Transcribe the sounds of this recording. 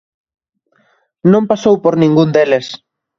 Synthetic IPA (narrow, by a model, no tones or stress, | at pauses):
nõmpasowpoɾnĩŋɡund̪eles